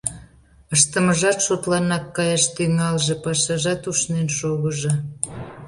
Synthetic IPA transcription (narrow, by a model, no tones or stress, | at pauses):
əʃt̪əməʒɑt̪ʃot̪lɑnɑkːɑjɑʃt̪yŋɑlʒĕpɑʃɑʒɑt̪uʃnenʃoɣəʒĕ